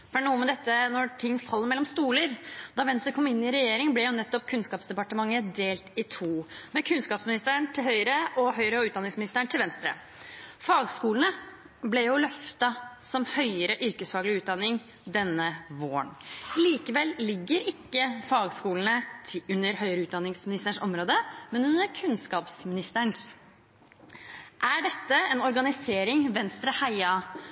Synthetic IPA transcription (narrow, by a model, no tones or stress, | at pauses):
fɳnuːəmɛd̪ɛt̪ːənɔt̪ʰɪŋːfɑlːəɾmɛlːɔmst̪uːləɾd̪ɑʋɛnst̪əɾkʰɔmːɪnːɪɾɛjeːɾɪŋblɛjʊnɛt̪ːɔp̚kʰʉnskɑːpsd̪ɛpɑʈəmɑŋːəd̪eːlt̪ɪt̪ʰuːmɛkʰʉnskɑːpsmɪnɪst̪əəɳʈ̪ʰɪlhœʏɾəʔɔɦœʏɾəɔʉːt̪̚d̪ɑnɪŋsmɪnɪst̪əɳʈʰɪlʋɛnst̪ɾə̰ | fɑːɡskuːlənə | blɛjʊlœft̪ɑsɔmhœʏəɾəʔʏɾkəsfɑːɡəlɪʉːt̪̚d̪ɑnːɪŋ | d̪ɛnːəʋoːəɳliːkəʋɛlːɪɡːəɾɪkːəfɑːɡskuːlnəʉnːəɾhœʏəɾəʉːt̪̚d̪ɑnɪŋsmɪnɪst̪əʂɔmɾoːd̪əmɛnʉnːəɾkʰʉnskɑːpsmɪnɪst̪əɳs | ʔæɖɛt̪ːəɛnɔɾɡɑnɪseːɾɪŋʋɛnst̪ɾəhæɪɑ